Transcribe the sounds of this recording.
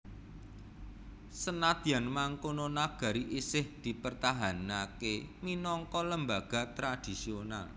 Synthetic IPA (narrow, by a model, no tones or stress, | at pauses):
sənad̪̥i̤anmaŋkononaɡ̥a̤ɾiʔisɪhd̪̥i̤pərt̪aɦanakeminɔŋkɔləmbaɡ̥a̤t̪ɾad̪̥i̤siona̰l